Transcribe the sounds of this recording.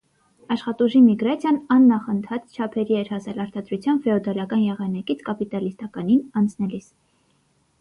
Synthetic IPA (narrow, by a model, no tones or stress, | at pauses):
ɑʃχɑt̪uʒimiɡɾɑt͡sʰjɑnɑnːɑχənt̪ʰɑt͡st͡ʃʰɑpʰɛɾiɛɾhɑsɛlɑɾt̪ɑd̪ɾut͡sʰjɑnfɛɔd̪ɑlɑkɑnjɛʁɑnɑkit͡sʰkɑpit̪ɑlist̪ɑkɑninɑnt͡sʰnɛlis